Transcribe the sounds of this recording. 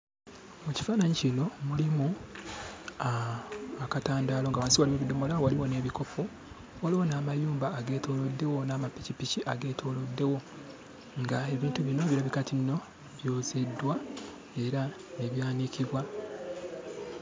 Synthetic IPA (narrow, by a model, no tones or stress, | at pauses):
muci̥faːnaɲicino̞mulimu | aakataːndaːloŋɡawaːnsiwaliwe̞βido̞mo̞lawaliwo̞ne̞ːβiko̞fo | waliwo̞naːmajuːmbaːɡe̞ːtʰo̞ːlo̞dːe̞wo̞naːmapːicipiciʔaɡe̞ːtʰo̞ːlo̞dːe̞wo̞ | ŋɡae̞βiːntuβino̞βiɾaβikatʰinːo̞ | βjo̞ːze̞dːwa | e̞ɾa | ne̞βjaːniciβwa